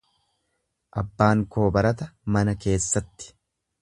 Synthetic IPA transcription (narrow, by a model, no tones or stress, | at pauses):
ʔɐbːaːŋko̞ːbɐɾɐt̪ɐmɐnɐke̞ːsːɐt̪ːɪ̥